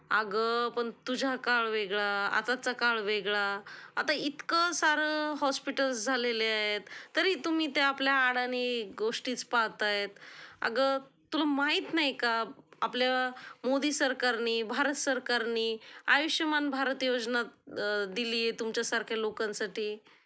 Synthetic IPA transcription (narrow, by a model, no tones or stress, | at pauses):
aɡəpəɳt̪ud͡ʑʱakaɭʋeɡɭaa̰t̪at͡sakaɭʋeɡɭaat̪ait̪kəsaɾəɦɔspiʈəlsd͡zʱaleleaɦet̪ːəɾiːt̪um̤iːt̪eapljaːɽaniɡoʂʈiːt͡spaɦt̪aɦet̪a̰ɡət̪ulamaɦiːt̪najkaapljamod̪iːsəɾkaɾniːbʱaɾət̪səɾkaɾniːajiɕjəmanbʱaɾət̪jod͡znat̪d̪iliːjet̪umt͡ɕjasaɾkʰjalokãnsaʈiː